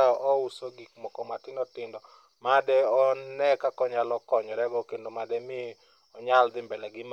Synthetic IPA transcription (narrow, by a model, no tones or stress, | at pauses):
aɔʔɔusoɡikmɔkɔmatɪnɔtɪndɔ | madɛɔnɛkakɔɲalɔkɔɲɔɾɛɡɔkendomadɛmɪ | ɔɲald̪ɪmbɛlɛɡɪm